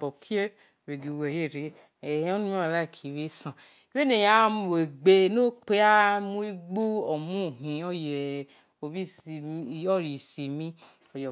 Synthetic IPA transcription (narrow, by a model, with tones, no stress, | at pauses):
bɔ˨kʰi˦e˦˨ | we˨ɡi˨we˨je˦˨ɾe˨ | e˨˦o˦nũ˦mi˦a˨la˦˨kʰi˨we˦sã˨ | we˦ne˨ja˨˦m˨e˨ɡ͡be˧no˦k͡pe˦a˦mũ˦i˦ɡ͡bu˦ɔ˨mũ˦˨ɦĩ˨ɔ˦je˨ | o˨bi˦sɔ˦˨ɾi˨si˨mĩ˦ | ɔ˨jɔ˨